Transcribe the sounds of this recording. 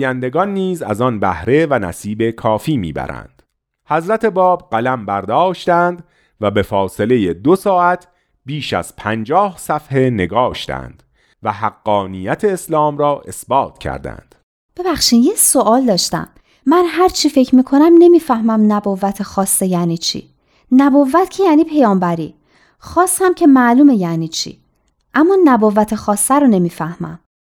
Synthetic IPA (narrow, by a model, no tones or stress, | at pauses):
jænd̪e̞ɡɒnːiːzæ̰zɒnbæhɾe̞vænæ̰siːbe̞kʰɒːfiːmḭːbæ̰ɾæ̰nd̪̥ | hæzɾæt̪ʰe̞bɒːbɢælæmbæɾd̪ɒːʃt̪ænd̪ | væbe̞fɒːse̞le̞jed̪osɒːʔæt̪ʰ | biːʃæ̰z̥pʰænd͡ʒɒːhsæfhe̞ne̞ɡɒːʃt̪æ̰nd̪̥ | væɦæɡːɒːnijæt̪ʰeːslɒːmɾɒːʔe̞sbɒːt̪ʰcʰæ̰ɾd̪æ̰nd̪̥ | b̥e̞bæχʃiːnjesoʔɒːld̪ɒːʃt̪æ̰mː | ænɦæɾt͡ʃʰife̞cʰɾmiːkʰo̞næmne̞miːfæhmæmnæboːvæt̪ʰexɒːsːejæːniːt͡ʃʰḭː | næbovːæt̪cʰejæːniːpʰe̞jɒːmbæɾiː | xɒːshæmcʰe̞mæːluːme̞jæːniːt͡ʃʰḭː | ʔæmːɒːnæboːvæt̪ʰexɒːsːæɾone̞miːfæhmæ̰m